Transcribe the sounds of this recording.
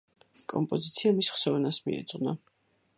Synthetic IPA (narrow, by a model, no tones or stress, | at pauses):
kʼɔmpʼɔzit̪sʰiamisχsɔvɛnasmḭɛ̰t̪sʼqʼna